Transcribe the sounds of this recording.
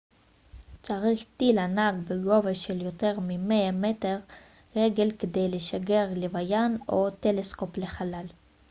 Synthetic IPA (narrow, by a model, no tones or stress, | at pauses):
t͡saʁiχt̪ilanaɡbeɡo̞veʃeljo̞te̞ʁmimeameteʁ | ʁeɡe̞lkedejleʃaɡe̞ʁlevajano̞t̪elesko̞ple̞χalal